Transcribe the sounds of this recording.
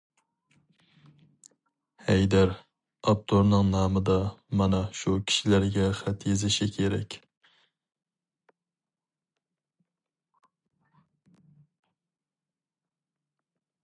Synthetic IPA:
hɛjd̪æɾ | ɑp̚t̪ʰoɾnɨŋnɑːmɨd̪ɑmɑnɑʃukʲʰi̥ʃilæɾɡʲɛχæt̪jezɪʃikʲʰeɾɛkʲ

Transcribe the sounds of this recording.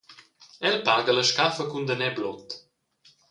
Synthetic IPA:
ɛlpaɡələʃkafəkund̪ənɛblɔt̪

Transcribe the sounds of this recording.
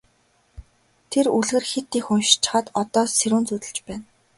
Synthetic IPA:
t̪ʰeruɮɣɘ̆rxet̪ːiːxʊnʃt͡ɕɪ̥̆χəːt̪ɔt̪ɔːsseɾuːnt͡sut̪ɘ̆ɮt͡ɕpæːn

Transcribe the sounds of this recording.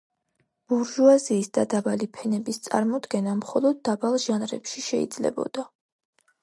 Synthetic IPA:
b̥uɾʒuaziːsd̪̥ad̪abalipʰɛnɛbist̪sʼa̰ɾmɔd̪ɡɛnamχɔlˠɔd̪̚ːabalˠʒanɾɛpʃiʃɛḭd̪zlɛ̰bɔ̰d̪̥a

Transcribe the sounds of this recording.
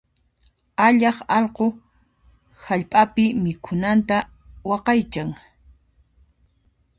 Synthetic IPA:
aʎɑχɑʎqo | haʎpʼapɪmɪkʰʊnant̪a | wɑqɑjt͡ʃaŋ

